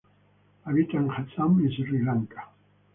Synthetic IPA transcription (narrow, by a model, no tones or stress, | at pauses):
aβit̪aŋχat͡saminsrilaŋkḁ